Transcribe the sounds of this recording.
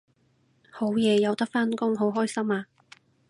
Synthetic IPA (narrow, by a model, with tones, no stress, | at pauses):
ho˨˥wjɛː˨˧jɐ˨˧wt̪ɐ˥k̚faː˥nkʊ˥ŋɦo˨˥wɦɔː˥jsɐ˥maː˧